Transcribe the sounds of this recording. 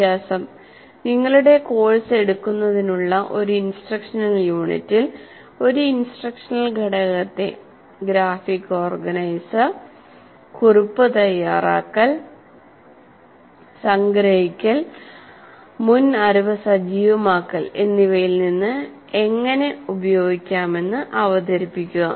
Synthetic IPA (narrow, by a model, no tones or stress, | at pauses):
t̪jaːsɐm | niŋːɐɭuɽe̞ko̞ːɻɐse̞ɽukːunːɐðinuɭːɐʔo̞ɾuinsʈrɐkʂɐnɐljuːɳḭtːil | o̞ɾuinsʈrɐkʂɐnɐlɡʱɐɽɐɣɐt̪ːe̞̰ | ɡɾaːfikːo̞ːrɡɐnɐjsɐ | kurupːɨt̪ɐjːaːra̰ːkːɐɭ | sɐŋɡɾɐɦikʲːɐl | munɐɾuʋɐsɐd͡ʑiːʋɐmaːkːɐle̞nːiʋɐjilninːɨ | e̞ŋːɐne̞ubɐjo̞ːɡikʲːaːme̞nːɨʔɐʋɐd̪ɐɾipːikʲːuɣɐ